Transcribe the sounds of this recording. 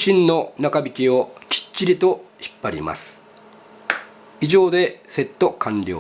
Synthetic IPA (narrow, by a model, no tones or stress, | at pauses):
ɕĩnːo̞nakabʲikʲio̞kʲi̥t͡ɕːiɾʲit̪o̞çi̥pːaɾʲḭma̰sɨ̥ | iʑo̞ːd̪e̞se̞t̪ːo̞kʰãnɾʲo̞̰ː